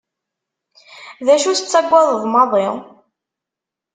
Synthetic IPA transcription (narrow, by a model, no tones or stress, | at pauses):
ðæʃuθə̥t͡sːæɡʷːæðˤəðˤmɑðˤɪ